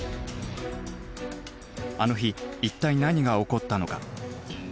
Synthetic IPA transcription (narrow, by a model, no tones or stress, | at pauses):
ano̞çiːt̪ːainaɲ̟iɡao̞ko̞t̪ːano̞ka